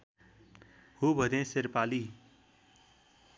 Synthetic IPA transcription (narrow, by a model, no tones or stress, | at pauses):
hubʱʌd̪ẽseɾpali